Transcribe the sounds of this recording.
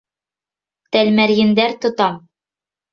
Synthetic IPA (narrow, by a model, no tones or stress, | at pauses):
t̪ælmæɾjɘ̆nd̪æɾt̪ŏt̪ɑm